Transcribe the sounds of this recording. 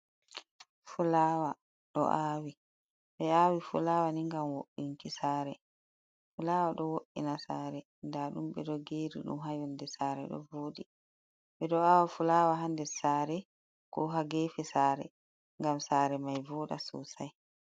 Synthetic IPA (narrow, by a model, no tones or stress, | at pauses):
fulawa | ɗɔ̰ʔaːwi | ɓɛaːwifṵlaːwaniŋɡamwoʔːiŋkisaːɾɛ | fulaːwaɗɔwoʔinasaːɾɛ | ndaɗumɓɛɗɔɡeːɾḭɗṵmɦajɔndɛsaːɾɛɗɔ̰voːɗi | ɓɛɗɔaːwafulaːwaɦandɛsaːɾɛ | kɔɦaɡefisaːɾɛ̰ | ŋɡamsaːɾɛmajvɔːɗa̰sṵsaj